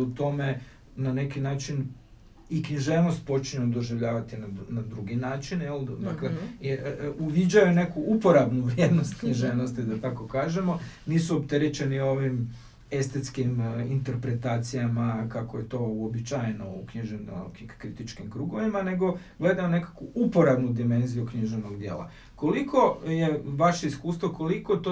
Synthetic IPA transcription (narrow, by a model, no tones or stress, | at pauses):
ut̪o̞me̞ | nanekinaːt͡ʃin | ikɲiʒe̞ʋnost̪̚po̞t͡ʃɲed̪oʒiʋʎaːʋat̪inanad̪ɾuɡinaːt͡ʃinjeld̪aklejuʋid͡ʑajune̞kuʔupo̞ɾabnuʋɾjeːd̪no̞st̪kɲiʒeʋnost̪id̪at̪ako̞kaːʒe̞mo̞niːsuopt̪e̞ɾet͡ɕe̞nioo̞ʋim | e̞st̪et̪skimint̪e̞ɾpɾe̞t̪aːt̪sijamakakoje̞t̪o̞uobit͡ʃajno̞ukɲiʒenokɾit̪it͡ʃkimkɾuɡo̞ʋimane̞ɡo̞ | ɡle̞d̪ajune̞kḁkʋuʔupo̞ɾabnud̪ime̞nzijukɲiʒeno̞ɡd̪jḛːlˠa̰ | ko̞likʰo̞je̞ʋaʃe̞iskuːst̪ʋo̞ko̞likot̪o